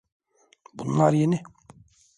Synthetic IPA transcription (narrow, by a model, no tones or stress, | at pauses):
bunlˠaɾjenɪ